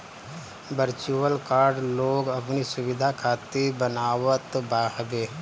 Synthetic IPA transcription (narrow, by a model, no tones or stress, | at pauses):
bəɾt͡ʃuəlkaːɾɖloːɡɐpnisʊwɪd̪ʱakʰaːt̪ebənaːwət̪baːɦbeː